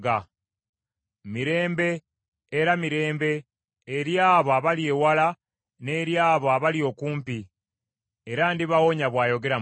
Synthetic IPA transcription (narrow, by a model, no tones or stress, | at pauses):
ɡa | miɾe̞ːmbe̞ː | ɾamiɾe̞ːmbe̞ː | ɾjaːβoaβalje̞wala | ne̞ɾjaːβoaβalio̞ːkuːmpi | eɾandiβawo̞ɲaβwaːjo̞ɡe̞ɾa